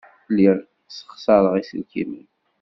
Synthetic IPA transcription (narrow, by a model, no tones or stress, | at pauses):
lːiɾ | sə̥χsˤɑɾˤəʁisə̰lkḭmən